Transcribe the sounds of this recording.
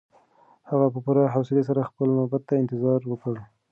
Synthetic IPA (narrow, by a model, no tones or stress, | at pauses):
haɣapəpuɾɑɦawsɪles̬aɾaxpəlmabat̪ːaɪnt̪ɪzɑɾwəkəɽ